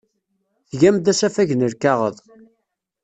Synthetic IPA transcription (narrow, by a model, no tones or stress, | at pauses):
θʝæmd̪æsæfæʝnəɾkɑʁəðˤ